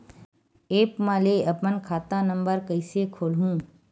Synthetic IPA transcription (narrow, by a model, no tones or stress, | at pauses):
eːpmãleəpənkʰaːt̪ãnəmbəɾkəɪsekʰoːlɦũː